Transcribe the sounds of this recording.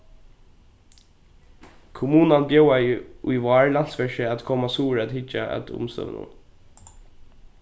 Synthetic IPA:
kʰʊmuːnanbjowajujʋɑːɹlansʋɛʃəæt̪kʰɔmasuːɹæt̪hɪt͡ʃa̰ʔæ̰t̪ʰʊ̰mst̪œ̰ʋnṵn

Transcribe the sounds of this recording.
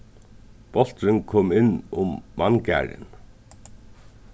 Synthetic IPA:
b̥ɔl̥t̪ɾɪnkʰɔːmɪnːʊmːankæ̰ːɾɪ̰n

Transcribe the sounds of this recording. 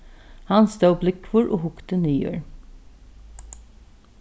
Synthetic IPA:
hɑnst̪ʰɑːplʏkʰʋʊɹʔo̰ːhʊkt̪ənyːø̰ːɹ

